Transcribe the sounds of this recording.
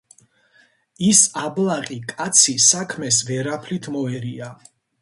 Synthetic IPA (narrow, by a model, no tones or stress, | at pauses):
isablˠaqʼikʼat̪sʰisakʰmɛsvɛɾapʰlit̪ʰmɔɛɾia